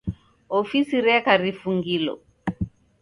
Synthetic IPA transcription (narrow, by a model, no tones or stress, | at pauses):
ɔfisiɾɛkaɾifuŋɡilɔ̰